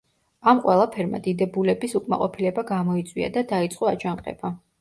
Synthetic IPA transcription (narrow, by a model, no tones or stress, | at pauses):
amqʼwɛlˠapʰɛɾma̰d̪id̪ɛbulɛbisukʼma̰qʼɔpʰilɛbaɡamɔit̪sʼwḭa̰d̪ad̪ait̪sʼqʼɔad͡ʒaŋqʼɛ̰ba